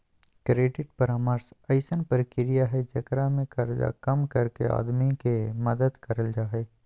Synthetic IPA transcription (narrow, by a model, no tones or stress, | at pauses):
kɾeːɖɪʈ̚pɐɾaːməɾsɐɪsənpəɾkɪɾijaɦɛd͡ʒɐkɾamẽkɐɾd͡ʒa̰kɐmkɐɾkḛa̰ːd̪mikemɐd̪əd̪kɐɾəld͡ʒaːeː